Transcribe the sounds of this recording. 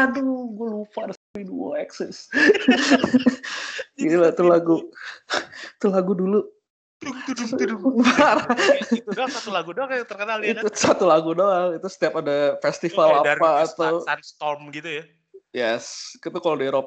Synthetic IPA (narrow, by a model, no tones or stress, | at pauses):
aduɡuəlufaɾəspiduwɔɛksɛs | ɡiilat̪əlaɡu | t̪əlaɡudulu | far | sat̪ulaɡudoaat̪ərkənalit̪usat̪ulaɡudoaŋit̪usə̥t̪iapadafɛst̪ifalapaːt̪awnst̪ɔmɡit̪uja | jɛskit̪ukalodieɾop